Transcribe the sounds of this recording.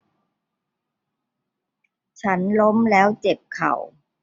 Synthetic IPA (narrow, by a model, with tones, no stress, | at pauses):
t͡ɕʰa˦˥nlo˦˥mlɛː˦˥wt͡ɕe˨˩p̚kʰa̰˨˩w